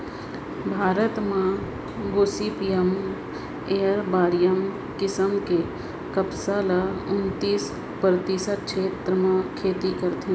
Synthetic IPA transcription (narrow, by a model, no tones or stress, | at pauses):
bʱaːɾət̪mã | ɡoːsipijəm | eːəɾbaːɾɪjəm | kɪsəmke | kəpsalaʊnt̪iːs | pɾət̪ɪsət̪̚ʃʰeːt̪ɾəmãkʰeːt̪ikəɾt̪ɦẽ